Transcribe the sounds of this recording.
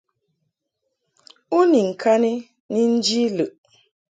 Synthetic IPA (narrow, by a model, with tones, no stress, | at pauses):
u˦ni˨ŋ̩˨kʰa˦ni˦ | ni˦n̩˦d͡ʒi˦lɨ˨ʔ